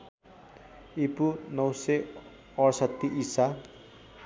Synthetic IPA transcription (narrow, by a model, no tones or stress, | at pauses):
ipunʌwse | ʌɾsʌt̪ːiʔisa